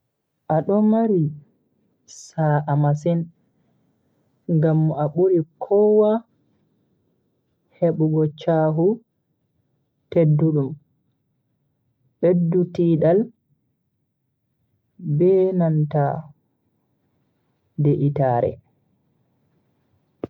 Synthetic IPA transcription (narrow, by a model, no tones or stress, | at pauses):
ʔaɗɔmaɾi | saɾaʔamasin | ŋɡamːɔaɓuɾikʰɔwa | heɓuɡɔt͡ʃaːɦu | tedːuɗum | ɓedːutiːɗal | bɛnanta | deʔitaːɾɛ̰